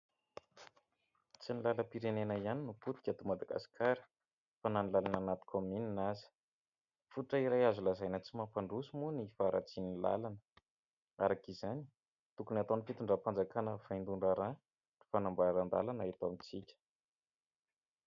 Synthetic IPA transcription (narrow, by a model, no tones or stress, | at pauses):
t͡sinilaləpiɾenenəianinuput̪i̥kʲat̪umad̪aɡa̰si̥kʰaɾə̥ | fananilalananat̪i̥kamininazi̥ | fuʈ͡ʂəiɾajazulazajnət͡simapaɳɖ͡ʐusumunifaɾʔa̰t͡sinila̰lanə̥ | aɾakizani̥ | t̪ukunat̪onifit̪uɳɖ͡ʐapand͡zakanəv̥and̪uɳɖ͡ʐaɾa | ri̥fanambaɾand̪a̰lanaet̪amit͡sikʲə̥